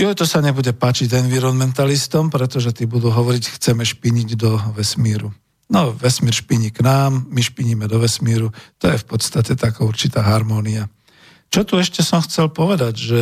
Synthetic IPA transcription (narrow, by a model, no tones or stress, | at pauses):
jɔt̪ɔsaɲɛbuɟɛpaːt͡ʃiɟɛnʋiɾɔnmɛnt̪alist̪ɔmpɾɛt̪ɔʒɛt̪ibud̪uːɦɔʋɔɾicxt͡sɛmɛʃpiɲiɟd̪ɔʋɛsmiːɾu | nɔʋɛsmiːɾʃpiɲiknaːmːiʃpiɲimɛd̪ɔʋɛsmiːɾut̪ɔjɛfpɔt̪st̪acɛt̪akauɾt͡ʃit̪aːɦaɾmɔːnia | t͡ʃɔt̪uɛʃcɛsɔmxt͡sɛlpɔʋɛd̪aɟʒɛ